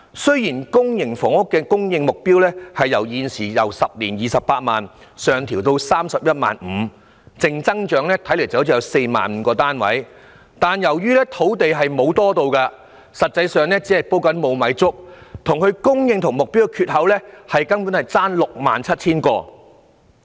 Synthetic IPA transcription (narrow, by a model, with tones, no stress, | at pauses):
sɵ˥ɥjiː˨˩nkʊ˥ŋjɪ˨˩ŋfɔː˨˩ŋʊ˥kːɛː˧kʊ˥ŋjɪ˧ŋmʊ˨k̚piː˥wlɛː˥hɐ˨jːɐ˨˩wjiː˧nsiː˨˩jɐ˨˩wsɐ˨p̚liː˨˩njiː˨˧sɐ˨p̚paː˧t̚ma̰ː˨nsœː˨ŋt̪ʰiː˨˩wt̪o˧wsaː˥msɐ˨p̚jɐ˥t̚ma̰ː˨nm̩˨˧ | t͡sɪ˨ŋt͡sɐ˥ŋt͡ʃœː˨˧ŋlɛː˥t̪ʰɐ˨˥jle˨˩jt͡sɐ˨˧˥i˨˥jɐ˨˧wse˧jma̰ː˨nm̩˧kɔː˧t̪aː˥nwɐ̰˨˥j | t̪aː˨njɐ˨˩wjyː˥lɛː˥t̪ʰo˨˥wt̪e˨jɦɐ˨jmo˨˧wt̪ɔː˥t̪o˨˧wkɐ˧ | sɐ˨t̚t͡sɐ˧jsœː˨˧ŋlɛː˥t͡si˨˥hɐ˨jpo˥wkɐ˨˥nmo˨˧wmɐ˨˧jt͡sʊ˥k̚t̪ʰʊ˨˩ŋkʰɵ˧ɥkʊ˥ŋjɪ˧ŋt̪ʰʊ˨˩ŋmʊ˨k̚pi˥wɛ˧kʰyː˧t̚ɦɐ˨˥wlɛː˥hɐ˨jkɐ˥npu˨˥nhɐ˨jt͡saː˥nlʊ˨k̚ma̰ː˨nt͡sʰɐ˥t̚t͡sʰiː˥nkɔː˧